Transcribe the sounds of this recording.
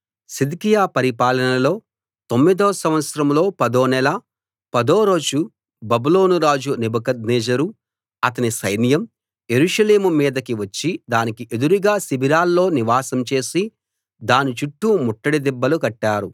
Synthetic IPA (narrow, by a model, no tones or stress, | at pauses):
sid̪ikijaːpɐɾipaːlɐnɐlo̞ː | t̪omːid̪oːsɐ̃mʋɐt̪sɐɾɐmlo̞ːpɐd̪oːnɛlɐ | pɐd̪oːɾo̞ːd͡ʒu | bɐbulo̞ːnuɾaːd͡ʒunibɐkɐd̪̚neːd͡ʒɐɾu | ɐt̪ɐnisɐjnijɐm | je̞ɾuʂɐle̞ːmumiːd̪ɐkiʋɐt͡ʃːid̪aːnikiʔe̞d̪uɾuɡaːsibʱiɾaːlːo̞ːniʋaːsɐmt͡ʃe̞ːsi | d̪aːnit͡ʃuʈːumuʈːɐɽid̪ɛbːɐlukɐʈːaːɾu